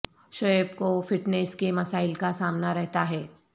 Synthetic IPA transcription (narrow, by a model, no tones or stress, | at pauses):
ʃɔəbkofɪʈneskemɐsaːɪlkasaːmnaɾɛɦt̪aɦɛː